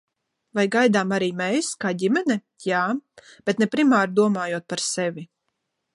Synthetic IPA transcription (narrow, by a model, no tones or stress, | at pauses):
vajɡajd̪aːmaɾiːmɛjskaːɟʲimɛnɛ | jaːb̥ɛt̪nɛpɾimaːɾd̪uɔmaːjuɔt̪̚paɾsɛvʲi